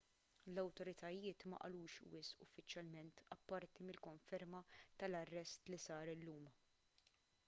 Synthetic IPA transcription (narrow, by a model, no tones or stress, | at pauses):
lɐwt̪ɔɾɪt̪ʰɐjɪːt̪mɐ̰ʔɐ̰luːʃwɪsʔʊfːɪt͡ʃjɐlmɛnt̪ɐpːɐɾt̪imɪlkɔɱfɛɾmɐt̪ɐlɐrːɛst̪lisɐːɾɪlːuːm